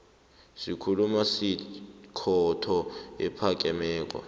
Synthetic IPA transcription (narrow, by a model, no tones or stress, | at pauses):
sikʰulumasikʰɔtʰɔɛ̰pʰak̬ʼɛmɛːk̬ʼwa̰